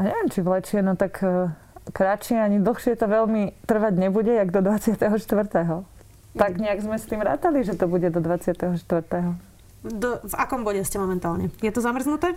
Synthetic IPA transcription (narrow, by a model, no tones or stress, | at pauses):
aɲɛʋɪɛmt͡ʃivlɛt͡ʃɪɛnɔt̪akː | kɾat͡ʃɪɛaɲid̪l̩ˠxʃɪɛt̪ɔʋɛʎmit̪r̩ʋaɟɲɛbuɟɛjaɡd̪ɔd̪ʋat͡sɪat̪ɛɦɔʃt̪ʋr̩t̪ɛɦɔ | t̪aɡɲɛaɡzmɛst̪iːmɾa̰ːt̪aliʒɛt̪ɔbuɟɛd̪ɔd̪ʋat͡sɪat̪ɛɦɔʃt̪ʋr̩t̪ɛɦɔ | d̪ɔvakɔmbɔɟɛscɛmɔmɛnt̪aːlɲɛjɛt̪ɔzamr̩znut̪ɛ